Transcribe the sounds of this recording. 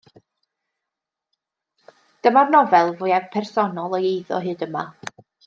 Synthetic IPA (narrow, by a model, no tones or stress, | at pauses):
d̥əmarnɔvɛlˠvʊjavpʰɛrsɔnɔlˠəjejðɔ̰ɦɨːdəma̰